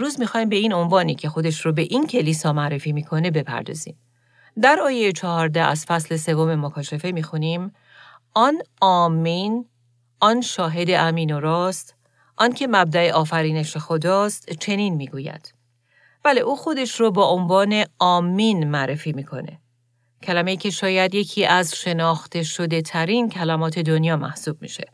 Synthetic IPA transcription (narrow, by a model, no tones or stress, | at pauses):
ɾuːzmixɒːjiːmbe̞iːno̞nvɒːniːcʰe̞xo̞d̪e̞ʃɾobe̞ʔincʰe̞liːsɒːmæɾe̞fiːmiːkʰo̞ne̞be̞pʰæ̰ɾd̪ɒ̰ːziːm | d̪æɾɒːjejet͡ʃʰɒɦɒːɾd̪ææ̰z̥fæsle̞se̞vo̞me̞mokʰɒːʃefe̞miːxuniːm | ɒnɒːmːiːn | ʔɒnʃɒːɦe̞d̪e̞ʔæmiːnoɾɒːst̪ | ʔɒncʰe̞mæb̚d̪æeʔɒːfæɾiːne̞ʃexo̞d̪ɒːst̪t͡ʃʰe̞niːnmiːɡuːjæ̰d̪̥ | b̥æle̞ʔuːxo̞d̪e̞ʃroːbɒːʔonvɒːne̞ɒːmːinmæɾe̞fiːmiːkʰo̞̰ne̞̰ | cʰælæme̞iːcʰe̞ʃɒːjæd̪je̞cʰiːʔæzʃe̞nɒːxt̪ʰe̞ʃo̞d̪e̞t̪ʰæɾiːncʰælæmɒːt̪ʰe̞d̪o̞njɒːmæ̰hsuːb̥̚mḭʃe̞